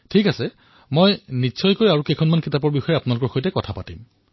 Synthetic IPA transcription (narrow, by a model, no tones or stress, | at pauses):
tʰikasɛ | mojnisʰɔjkojaɹukejkʰɔnmankitapɔɹbixɔjɛapʊnalʊkɔɹxojtɛkɔtʰapatim